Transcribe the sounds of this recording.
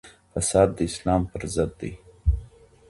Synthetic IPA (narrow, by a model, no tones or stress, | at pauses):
fasɑːd̪̚d̪ːəɪslɑːmpəɾzəd̪ːḛj